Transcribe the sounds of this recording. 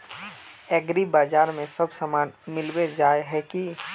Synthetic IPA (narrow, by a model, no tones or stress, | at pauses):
ɛːɡɾibaːd͡ʒaːɾmẽsɐbsəmaːnmɪlwed͡ʒaːeɦɛki